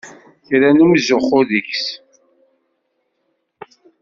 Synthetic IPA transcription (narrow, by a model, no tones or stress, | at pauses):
θɾænumzʊχʊðiçs